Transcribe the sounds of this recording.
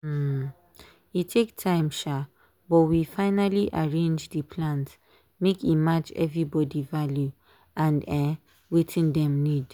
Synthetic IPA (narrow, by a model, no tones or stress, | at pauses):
itʰektʰãɪ̃mʃa | bɔtwifaɪnaliʔaɹẽnd͡ʒdipʰlãnt | mekimat͡ʃɛ̰vɹibɔdivalju | ãnɛ | wetʰĩndɛ̃mnid